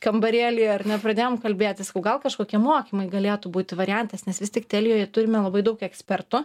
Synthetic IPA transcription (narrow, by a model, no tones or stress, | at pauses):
kɐmbɐɾʲeːlʲɪjɐrʲnʲɛpɾɐd̪ʲeːjoɔmkɐlʲbʲeːt̪ʲɪsɐ̥kɐʊɡɐlˠkɐʃkoːkʲiɛmoːkʲiːmɐɪɡɐlʲeːt̪ʊbuːt̪ʲɪʋɐɾʲɪjɛnt̪ɐsnʲɛsʋʲɪst̪ʲɪkt̪ʲɛlʲɪjoːjɛt̪ʊɾʲɪmʲɛlˠɐbɐɪd̪ɐʊkɛksʲpʲɛrt̪ʊ